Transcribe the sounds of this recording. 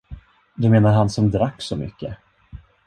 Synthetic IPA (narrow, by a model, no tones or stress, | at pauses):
d̪ɵmeːnaɾɦansɔmd̪ɾakːsɔmʏ̰kːə